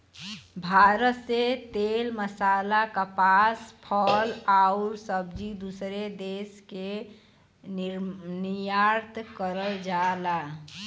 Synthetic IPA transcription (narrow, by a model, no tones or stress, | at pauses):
bʱaɾət̪set̪elməsalakapaspʰəlaʊɾsəbd͡ʒid̪usɾed̪eske | nijaɾt̪kəɾəld͡ʒala